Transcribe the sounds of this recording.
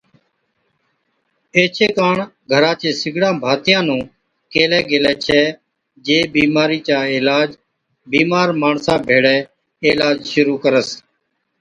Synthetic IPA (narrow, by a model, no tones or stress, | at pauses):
eːt͡ʃʰeːkaːɳɡʱəɾãːt͡ʃẽːsɪɡʱɽãːbʱaːt̪jãːnũː | keːlɛːɡeːlɛːt͡ʃʰɛː | d͡ʒeːbiːmaːɾiːt͡ʃaːɪːlaːd͡ʒ | biːmaːɾmaːɳsãːbʱeːɽɛː | eːlaːd͡ʒʃʊɾuːkəɾəs